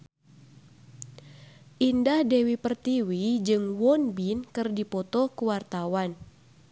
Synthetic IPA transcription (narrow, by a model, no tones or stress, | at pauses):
ʔindahdɛwipərt̪iwid͡ʒɨŋwɔnbinkɨrdipɔt̪ɔkuwart̪awan